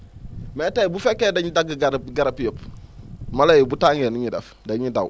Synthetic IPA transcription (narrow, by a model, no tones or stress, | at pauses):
metajibufekːeːdaɲidaɡɡaɾɡaɾapjop | malajbutaŋeniɲida̰f | daɲidaw